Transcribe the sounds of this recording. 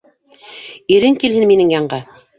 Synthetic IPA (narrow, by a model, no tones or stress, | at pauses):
iɾɘŋkilɦɘnminɘŋjɑɴɢɑ